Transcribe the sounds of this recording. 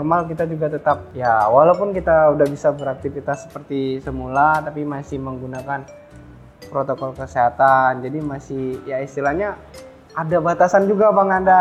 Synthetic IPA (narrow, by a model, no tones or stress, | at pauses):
ɔrmalkit̪ad͡ʒuɡat̪ət̪ap̚jawalapʊnkit̪audahbisabəɾak̚t̪ifit̪asːə̥pərt̪isəmulat̪apimasɪhməŋɡunakan | pɾot̪okɔlkəseɦat̪and͡ʒadimasɪhjaist̪ilahɲa | adabat̪asand͡ʒuɡabaŋanda